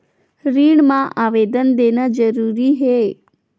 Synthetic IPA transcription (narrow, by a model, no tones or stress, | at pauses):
ɾiɳmãʔaʋed̪ənd̪enad͡ʒəɾuɾiɦe